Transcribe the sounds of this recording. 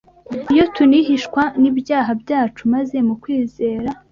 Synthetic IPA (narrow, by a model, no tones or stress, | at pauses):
ijo̞tʰunihiʃkwanibjaːɦabjaːt͡ʃumaze̞mukwiːze̞ːɾa